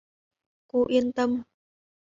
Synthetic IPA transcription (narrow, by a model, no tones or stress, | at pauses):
kuʔint̪əm